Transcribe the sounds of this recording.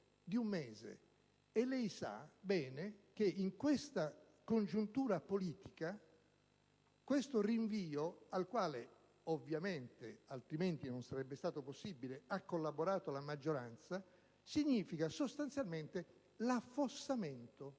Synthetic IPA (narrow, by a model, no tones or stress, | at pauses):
d̪iumːɛːzḛ | elːɛjsa̰bɛːnek̟eiŋkwest̪a | kond͡ʒunt̪uːɾapoliːt̪ika | kwest̪oriɱviːoalkwaːle | ovːjament̪ealt̪ɾiment̪inonsaɾɛbːest̪aːt̪oposːibileakːolːaboɾaːt̪olamad͡ʒːoɾant̪sa | siɲːiːfikasost̪ant̪sjalment̪e | lafːosament̪o